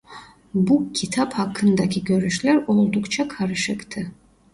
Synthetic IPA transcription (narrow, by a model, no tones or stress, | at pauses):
bucʲʰit̪ʰaphɑkʰːɯnd̪ɑkʰiɡʲø̞ɾyʃlʲæɾo̞lˠd̪ukt͡ʃʰɑkʰɑɾɯʃɯkt̪ʰɯ